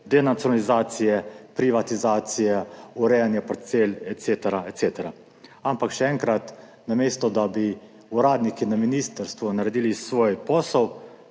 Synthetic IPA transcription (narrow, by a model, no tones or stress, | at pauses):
d̪ɛnat̪sjɔnalizaːt̪sijɛpɾiʋat̪izaːt̪sijɛuɾɛjanjapɾɛt̪̚seːlɛt̪t̪set̪ɛɾaɛt̪seːt̪ɛɾa | ampakʃɛɛŋkɾat̪ | nameːst̪ɔd̪abi | uɾaːd̪nikinaminiːst̪əɾst̪ʋunaɾɛd̪iːlisʋɔːjpɔːsɔw